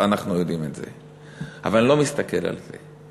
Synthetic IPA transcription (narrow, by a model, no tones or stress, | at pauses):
anaχnujod̪imetzḛ | ʔa̰valnlo̞mist̪ake̞la̰lz̥ḛ